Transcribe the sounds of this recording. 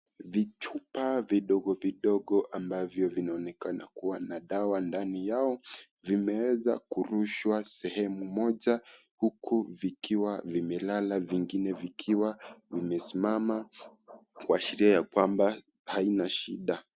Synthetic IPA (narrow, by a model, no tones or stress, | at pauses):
vit͡ʃupaviɗɔɠɔviɗɔɠɔʔambavjɔvinaɔnɛkana̰kuwanaɗawandanijaɔ | vimɛwɛza̰kuɾuʃwasɛhɛmumɔʄa | hukʰuvikʰiwavimɛlalaviŋɡinɛvikʰiwavimɛsimama | kwaʃiɾiajakwamba | hainaʃiɗa